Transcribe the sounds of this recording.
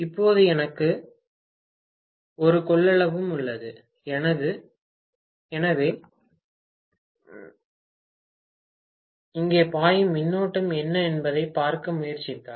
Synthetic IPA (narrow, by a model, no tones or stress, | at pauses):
ɪpːoːðɯɛnɐkːɯ | ɔɾɯkɔɭːɐɭɐʋɯmʊɭːɐðɯ | ɛnɐðɯ | ɛnɐʋeː | ɪŋɡeːpaːjɯmɪnːoːʈːɯmɛnːɐɛnbɐðɐɪpːaːɾkɐmʊjɐɾt͡ʃɪkːa̰ː